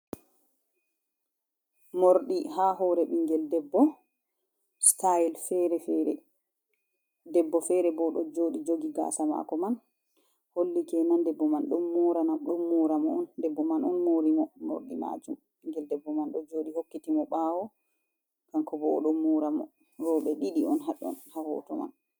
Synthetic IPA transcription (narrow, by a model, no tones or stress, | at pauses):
moɾɗiɦaɦɔɾɛɓiŋɡɛldɛbːɔ | stajlfɛɾɛfɛɾɛ̰ | dɛbːɔfɛɾɛbɔɗɔd͡ʒoɗid͡ʒoɡiɡa̰ːsama̰kɔman | holːikɛnandɛbːɔmanɗɔnːuːɾanaɗumːuɾamɔɔndɛbːɔmanɔnmoɾimɔmo̰ɾɗḭna̰d͡ʒum | ɓiŋɡɛldɛbːɔmanɗɔd͡ʒoːɗihokːitimɔɓawɔ | kaŋkɔbɔːɗɔmːuːɾamɔ̰ | ɾɔːɓɛɗiɗiɔnɦaɗɔ̰nhahɔ̰tɔma̰n